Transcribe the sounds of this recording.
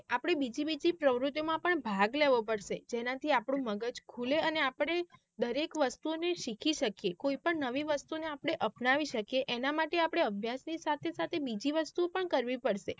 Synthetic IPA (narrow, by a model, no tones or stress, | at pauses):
apɽ̃ebid͡ʒibid͡ʒipɾəʋɾʊt̪jomãpəɳbʱaɡleʋopəɽʃed͡ʒenãt̪ʰiapɽ̃ũməɡəd͡ʒkʰuleəneapɽ̃e | d̪əɾekʋəst̪uoneʃikʰiʃəkijekoipəɳnəʋiʋəst̪uneapɽ̃eʔəpnaʋiʃəkjeʔenamaʈeapɽ̃eəbʱjasnisat̪ʰesat̪ʰebid͡ʒiʋəst̪uopəɳkəɾʋipəɽʃe